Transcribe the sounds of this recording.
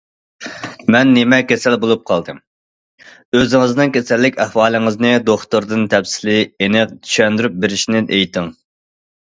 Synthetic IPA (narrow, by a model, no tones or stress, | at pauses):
mɛnːɪmɛkʲesɛlbolˠup̚qʰɑlˠd̪ɨm | øzɪŋɨznɨnkʲesɛlːɪkʲɛhwɑːlˠɨŋɨznɨd̪oχt̪oɾd̪ɨnt̪ʰɛpsɪlɪenɪq̚t̪ʰy̥ʃɛnd̪yɾyp̚beɾɪʃinɪejt̪ʰɪŋ